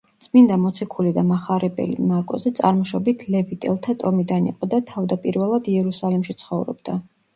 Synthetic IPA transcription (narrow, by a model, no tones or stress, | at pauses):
t̪sʰʼmind̪amɔt̪sʰikʰulid̪amaχaɾɛbɛ̰lḭmaɾkʼɔ̰zɛt̪sʼa̰ɾmɔʃɔbit̪ʰlɛvit̪ʼɛlˠt̪ʰat̪ʼɔmid̪anḭqʼɔd̪at̪ʰavd̪apʼiɾvɛlˠad̪iɛɾusalimʃit̪sʰχɔvɾɔ̰bd̪a